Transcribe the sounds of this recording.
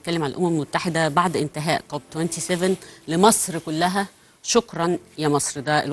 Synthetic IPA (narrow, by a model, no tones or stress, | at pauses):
t̚kælːemʕalælʔʊmæmelmot̪ːaħed̪æbaʕd̪ʔɪnt̪ɪɦæːʔkob̚t̪went̪isevenlemɑsˤɾkʊlːæɦæ | ʃokɾˤɑnjæmɑsˤɾd̪æʔḛl